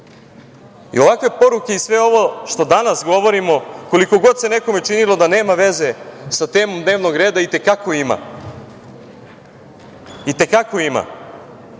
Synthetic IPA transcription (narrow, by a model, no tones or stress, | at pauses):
ḭo̞ʋakʋe̞po̞ɾuke̞isʋe̞o̞ʋo̞ʃt̪o̞d̪anasɡo̞ʋo̞ɾimo̞ko̞liko̞ɡo̞d̪se̞ne̞ko̞me̞t͡ʃinilo̞d̪ane̞ːmaʋe̞ze̞sat̪e̞ːmo̞md̪ne̞ːʋno̞ɡɾe̞ːd̪ait̪ekakoima̰ | it̪e̞kako̞ima̰